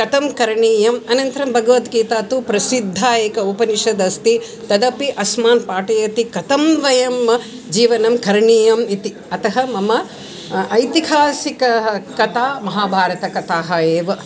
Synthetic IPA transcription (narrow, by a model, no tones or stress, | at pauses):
kɐt̪ɐmkɐɾɳiːjɐmɐnɐnt̪ɐɾɐmbʱɐɡɐʋɐt̪ɡiːt̪aːt̪upɾɐsid̪ʱːaːeːkɐupɐniʃɐd̪ɐst̪i | t̪ɐd̪ɐpiʔɐsmaːnpaːʈɐjɐt̪ikɐt̪ɐmʋɐjɐmɐ | d͡ʒiːʋɐnɐmkɐɾɳiːjɐmit̪i | ɐt̪ɐɦɐmɐmɐ | ʔɐjt̪iɦaːsikɐɦɐkɐt̪aːmɐɦaːbʱaːɾɐt̪ɐkɐt̪aːɦɐeːʋɐ